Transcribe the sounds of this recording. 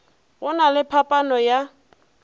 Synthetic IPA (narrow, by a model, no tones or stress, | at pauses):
ɣʊnalɪpʰapʼanɔja